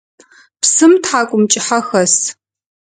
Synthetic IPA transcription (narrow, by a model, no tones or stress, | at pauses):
psɨmtħaːkʷʼʊmt͡ʃʼɪħaxɐs